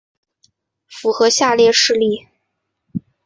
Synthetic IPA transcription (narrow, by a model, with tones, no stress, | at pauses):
fu˧˥xɤ˧˥ɕja˥˧ljɛ˥˧ʂɻ̩˥˧li˥˩